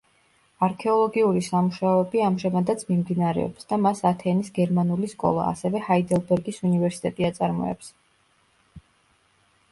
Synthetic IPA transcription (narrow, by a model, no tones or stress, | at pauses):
aɾkʰɛɔlˠɔɡiuɾisamuʃaɔɛbiamʒamad̪at̪sʰmimd̪inaɾɛ̰ɔ̰psd̪amasat̪ʰɛnisɡɛɾmanuliskʼɔ̰lˠa̰a̰sɛvɛhaid̪ɛlˠbɛɾɡisunivɛɾsi̥t̪ʼɛt̪ʼiat̪sʼaɾmɔ̰ɛ̰ps